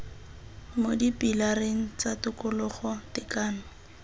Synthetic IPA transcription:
modipʼilareŋ̩t͡satʊkʊlʊχɔtɪkaːnʊ

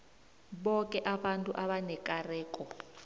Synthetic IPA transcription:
ɓɔkɛʔaɓantʼṵʔaɓanɛkʼarɛːkʼɔ

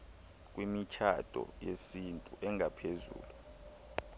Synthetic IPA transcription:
k̬ʼwimit͡ʃʰad̥ʱʼɔ̰jesintʼuʔɛŋʱapʰezṵːlu

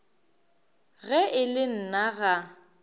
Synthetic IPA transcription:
ɣɛʔɪlɪn̩naɣa

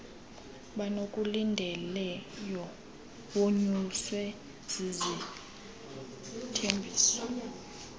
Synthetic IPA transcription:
ɓanokʼulindʱɛlɛjɔ | woɲuswɛ | z̥izi | tʰembʱiːsɔ

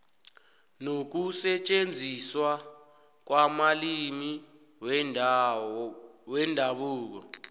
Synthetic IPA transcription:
nok̬usɛt͡ʃʼend͡zʱiswa | k̬wamalimi | wɛndʱaɓuːk̬ɔ̰

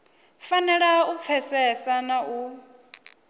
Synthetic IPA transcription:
fanɛɺaup̪fʰɛsɛsanaʔu

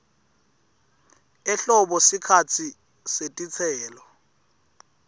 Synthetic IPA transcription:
ɛɬɔɓɔsikʰat͡sʰi | setʼit͡sʰɛːlɔ

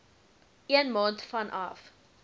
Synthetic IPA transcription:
iənmɑːntfɐnʔɐ̰f

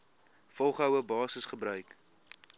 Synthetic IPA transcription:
fɔlˠχɦœwəbɑːsəsχəbɾœɥk

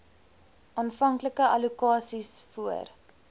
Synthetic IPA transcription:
ʔɑːnfɐŋkləkəɐlukɑːsisfuə̰r

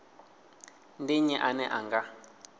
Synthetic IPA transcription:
ndiɲɛʔanɛʔaŋɡa

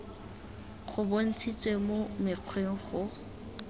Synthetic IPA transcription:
χʊbon̩t͡sʰit͡sʼwemomɪq͡χʰweŋ̩χʊ

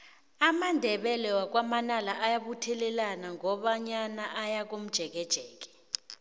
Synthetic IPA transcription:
amandʱɛɓɛlɛwak̬wamanalaʔajaɓutʰɛlɛlanaŋʱɔɓaɲanaʔajak̬om̩d̥ʒ̥ʱɛk̬ɛd̥ʒ̥ʱɛːk̬ɛ̥

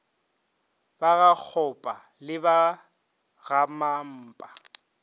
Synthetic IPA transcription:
baɣak͡xʰɔpʼa | lɪba | ɣamam̩ːpʼa

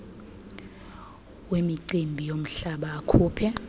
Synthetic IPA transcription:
wemiǀimbʱijom̩ɬaɓaːkʰuːpʰɛ

